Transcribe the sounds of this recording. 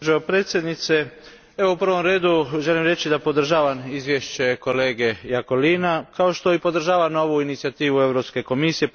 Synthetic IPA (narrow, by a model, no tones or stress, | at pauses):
ʒeopɾe̞ːt̪sje̞d̪nit̪se̞ | e̞ʋoupr̩ʋo̞mɾe̞ːd̪uʒe̞limɾe̞t͡ɕid̪apo̞d̪r̩ʒaːʋamizʋjeʃt͡ɕe̞ko̞le̞ːɡe̞jako̞liːnakao̞ʃt̪o̞ipo̞d̪r̩ʒaːʋano̞ʋuinit̪siat̪iːʋue̞ʋɾo̞pske̞ko̞misije̞